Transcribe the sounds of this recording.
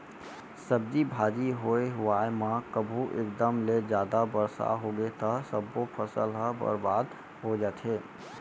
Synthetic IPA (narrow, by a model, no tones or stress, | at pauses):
səb̚d͡ʒibʱaːd͡ʒiɦoeɦʊwaemãkəbʱuʔḛːk̚d̪əmled͡ʒjaːd̪abəɾsa̰ɦoɡet̪əsəbːopʰəsəlɦəbə̰ɾbaːd̪ | ɦod͡ʒaːt̪ɦeː